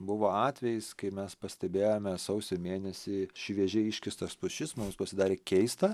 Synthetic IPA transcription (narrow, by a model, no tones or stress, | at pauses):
bʊʋoːɑːt̪ʲʋʲɛjɪskɐɪmʲɛspɐsʲt̪ʲɛbʲeːjoːmʲɛsɐʊsʲomʲeːnʲɛsʲɪʃʲʋʲiɛʒʲeɪʃʲkʲɪst̪ɐspʊʃʲɪsmʊmspɐsʲɪd̪ɑːɾʲeːkʲɛɪst̪ɐ